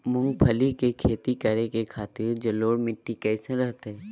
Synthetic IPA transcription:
mʊ̃ŋɡpʰəlikekʰeːt̪ikəɾekekʰaːt̪ɪɾd͡ʒɐloːɽmɪʈːikɛːseɾəɦt̪eɦɛː

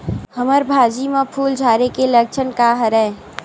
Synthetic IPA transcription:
həməɾbʱaːd͡ʒimãpʰuːld͡ʒʱaːɾekelək̚t͡ʃʰənkaɦəɾɛː

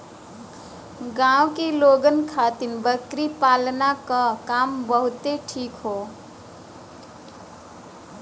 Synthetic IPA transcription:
ɡãũkeloɡənkʰat̪inbəkɾipalnakakambəɦʊt̪eʈʰikɦo

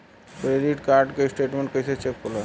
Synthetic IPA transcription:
kɾeɖiʈkaɾɖkesʈeʈmẽɳʈkəjsʰet͡ʃekkola

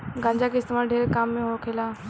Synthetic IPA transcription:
ɡʱãːɲd͡ʑakɪst̪maːlɖʱeːɾkaːmːẽɦokʰelaː

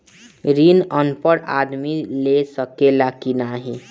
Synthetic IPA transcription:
ɾiːnənpəɽa̰ːd̪milesəkelakinaɦi

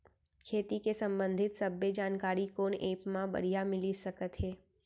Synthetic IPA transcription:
kʰeːt̪ikesɐ̃mbə̃nd̪ʱɪt̪sɐbːed͡ʒaːnkaːɾikoːneːpmãbɐ̰ɽ̤ijamɪlisɐkət̪ɦɛː

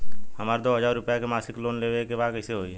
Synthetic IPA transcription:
həmaːɾed̪oːɦəzaːɾːʊpjakemaːsɪkloːnleːʋekebaːkəɪseɦoːiɦɛː

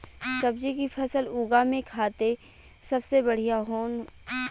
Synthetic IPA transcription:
sɐbd͡ʒikipʰɐsəluːɡamẽkʰaːt̪e | sɐbsebɐɽ̤ijaɦoːn

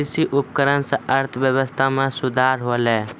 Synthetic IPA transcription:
ɪsiʔʊpkəɾənseʔəɾt̪ʰʋjəʋəst̪ʰamẽsʊd̪ʱaːɾɦolɛː

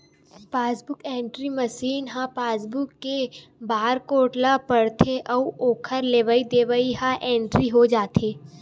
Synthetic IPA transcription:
paːsbʊkẽːɳʈɾimɐʃiːnɦãpaːs̬bʊkːebaːɾkoːʈlapəɽt̪ʰeʔɔːoːkʰəɾleːʋəid̪eːʋəiɦãʔẽːɳʈɾiɦod͡ʒaːt̪ʰeː

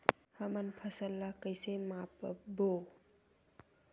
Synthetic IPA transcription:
hamanpʰasɐlːakajsemapbo

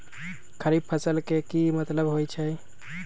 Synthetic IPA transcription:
kʰəɾib̚pʰəsəlkekimət̪ləbɦojt͡ʃʰɛj

